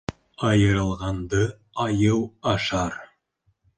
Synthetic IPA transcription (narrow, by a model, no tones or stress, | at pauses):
ɑjɤ̆ɾɤ̆lˠʁɑnd̪ɤ | ɑjɤwɑʃɑɾ